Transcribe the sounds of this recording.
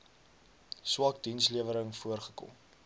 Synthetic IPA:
swɑːk̚dinsliəvəɾəŋfuərχə̥kɔ̰m

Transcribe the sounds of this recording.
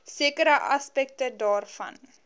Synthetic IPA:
siəkəɾəʔɐspɛk̚tədɑːrfɐ̰n

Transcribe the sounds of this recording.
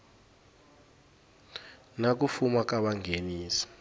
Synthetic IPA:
nak̬ufumak̬ʼaɓaŋʱeniːsi̥

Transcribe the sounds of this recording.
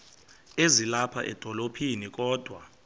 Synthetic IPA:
ezilapʰa̰ʔɛ̰d̥ʱɔlopʰinik̬ʼɔːd̥ʱwa

